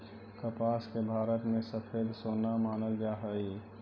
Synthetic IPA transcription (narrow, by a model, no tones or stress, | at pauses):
kəpaːskebʱaːɾət̪mẽsəpʰeːd̪soːnamaːnəld͡ʒaɦəi